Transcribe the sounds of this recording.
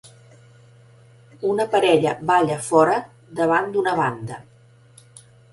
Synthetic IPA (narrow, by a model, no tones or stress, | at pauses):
unəpəɾɛʎəβaʎəfɔɾə | d̪əβ̞and̪unəβ̞and̪ə